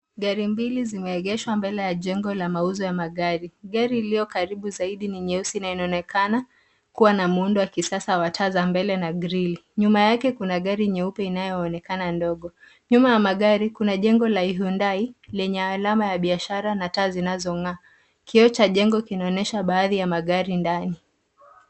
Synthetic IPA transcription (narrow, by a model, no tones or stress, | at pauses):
ɡaɾimbilizimɛɛɠɛʃwambɛlɛjaʄɛŋɡɔlamauzɔjamaɠaɾiɠaɾiːlijɔkaɾiɓuzaiɗiniɲɛusinainaɔnɛkʰana | kuwanamuundɔwakisasawatʰaːzambɛlɛnaɡɾiliɲumajakɛkunaɠaɾiɲɛupɛinajɔːnɛkanandɔɠɔ | ɲumajamaɠaɾikunaʄɛŋɡɔlaiɦundailɛɲɛalamajaɓiaʃaɾanataːzinazɔŋaː | kiɔt͡ʃaʄɛŋɡɔkinaɔnɛʃaɓaːðijamaɠaɾindani